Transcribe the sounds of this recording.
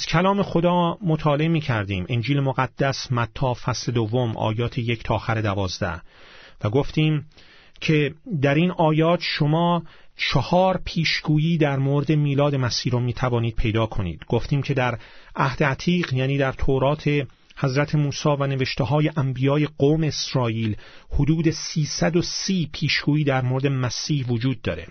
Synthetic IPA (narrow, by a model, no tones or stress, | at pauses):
z̥kʰælɒːme̞xo̞d̪ɒːmot̪ʰɒːle̞emiːcʰæɾd̪ḭːmʔend͡ʒiːlemoɣæd̪̥ːæsmæt̪ʰːɒːfæsled̪ovːomʔɒ̰ːjɒːt̪ʰejecʰt̪ʰɒːxæɾe̞d̪ævɒːzd̪æ̰h | væɡo̞ft̪iːm | cʰe̞d̪æɾinɒːjɒːt̪ʰʃo̞mɒː | t͡ʃʰehɒːɾpʰiːʃɡ̥uːjiːd̪æɾmoɾed̪e̞miːlɒːd̪e̞mæsiːɾomiːt̪ʰævɒːniːd̪̥̚pʰe̞jd̪ɒːkʰo̞nḭːd̪̥ɡo̞ft̪iːmcʰe̞d̪æɾæhd̪̥e̞æt̪ʰiːʁjæːniːd̪æɾt̪ʰoɾɒːt̪ʰe̞ | hæzɾæt̪ʰemuːsɒːvæneveʃt̪eɦɒːje̞ʔæmbijɒːje̞ɡoːme̞ːsɾɒːʔiːlhod̪uːd̪e̞siːsæd̪o̞siːpʰiːʃɡ̥uːjiːd̪æɾmoɾed̪e̞mæsiːhvod͡ʒuːd̪̚ːɒːɾe̞̰